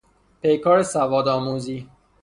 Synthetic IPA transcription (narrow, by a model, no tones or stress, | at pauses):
pʰejkʰɒːɾesævɒːd̪ɒːmuːziː